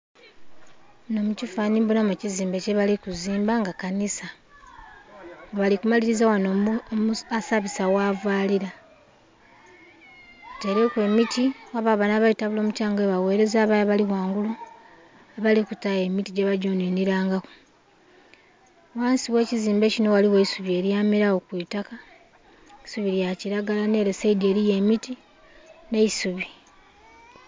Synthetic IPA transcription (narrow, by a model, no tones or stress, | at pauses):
no̞mucifaːnimbunameciziːmbe̞ceβalikuziːmbaŋɡakanisa | oβalikumaliɾizawano | asaβisawavwaːliɾa | te̞ɾekwe̞mitiwaβaβanaβajitaβulo̞ːmucaːŋɡe̞βawe̞ːɾe̞zaːβajaβaliwaːŋɡulu | aβalikutaje̞mitiɟeβaɟuːniːniɾaːŋɡako̥ | waːnsiwe̞ːciziːmbe̞cino̞waliweisuβie̞ɾjaːmiɾaokwiːtaka | isuβiɾjaciɾaɡalane̞ːɾeseide̞ːɾije̞miti | ne̞isuβi